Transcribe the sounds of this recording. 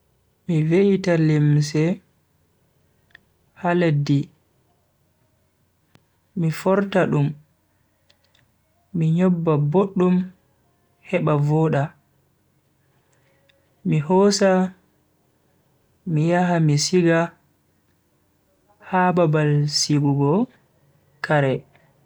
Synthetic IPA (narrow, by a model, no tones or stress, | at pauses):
miveitalims̬ɛ | haledi | ifɔɾtaɗum | iɲɔbːaboɗːum | hɛɓavɔːɗa | mihɔsa | mijaɦamisiɡa | hababalsiɡuɡɔ | kaɾɛ